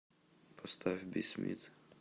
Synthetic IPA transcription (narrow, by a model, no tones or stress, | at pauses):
pʰɔst̪ʰavʲbʲisʲmʲḭt̪